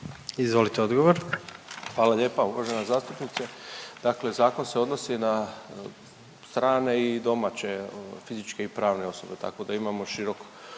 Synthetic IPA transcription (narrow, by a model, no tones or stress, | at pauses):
izʋo̞lit̪eod̪ɡoʋoɾxʋaːlaʎe̞ːpauʋa̰ʒe̞nazaːst̪upnit̪sed̪̥akle̞zaːko̞nse̞o̞d̪no̞sina | st̪ɾaːne̞id̪o̞mat͡ɕe̞fizit͡ʃke̞ipɾaːʋne̞o̞so̞be̞t̪a̰ko̞d̪aimamo̞ʃiɾo̞k